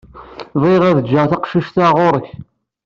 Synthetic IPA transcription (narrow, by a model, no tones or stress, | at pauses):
viʁæðəd͡ʒːəʁθɑqʃiʃθaʁoɾˤəç